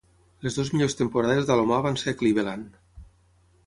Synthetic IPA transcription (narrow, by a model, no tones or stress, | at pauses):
lezðozmiʎost̪empoɾaðezðalomaβansekliβelan